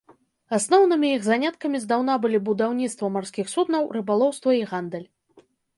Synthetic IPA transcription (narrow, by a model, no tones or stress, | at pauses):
asnɔwnɨmʲiiɣzanʲat̪kɐmʲizd̪awn̪abɨlʲibud̪awnʲit̪st̪vɐmarsʲkʲixsud̪nɐwrɨbalˠɔwst̪vɐiɣand̪ɛlʲ